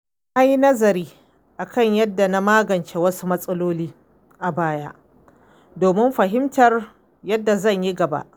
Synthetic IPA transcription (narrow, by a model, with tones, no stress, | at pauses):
ʔa˦jnɐ˦zɐ˨ɾiː˦ | ʔa˨kɐ˦˨ɲjɐ˦dːa˨na˦maː˦ɡɐ˨nt͡ʃeː˨wɐ˦su˦mɐ˦sʼɐ˦loː˦liː˦ | ʔa˨baː˦ja̰˦ʔ | doː˨mɪ˦mɸɐ˨ɦɪ˦mtɐ˨r | jɐ˦dːa˨zɐ˦˨ɲji˦ɡɐ˨ba̰˦ʔ